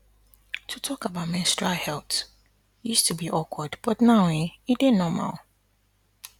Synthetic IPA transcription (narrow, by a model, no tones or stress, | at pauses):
tʰutʰɔkabatmɛ̃nstɹahɛlt | justʰubiʔɔkwɔdb̥ɔtnaʊẽidenɔma̰lˠ